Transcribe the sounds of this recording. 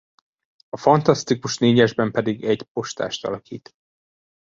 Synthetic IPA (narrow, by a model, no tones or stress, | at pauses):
ɒfɒnt̪ɒst̪ikuʃneːɲɛʒbɛmpɛd̪iɡɛɟpo̞ʃt̪a̰ːʃt̪ɒ̰lɒkḭːt̪